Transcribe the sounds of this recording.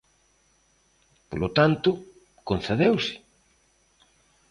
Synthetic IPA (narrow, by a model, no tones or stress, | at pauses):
polot̪ant̪ʊ | konθeðewsɪ̥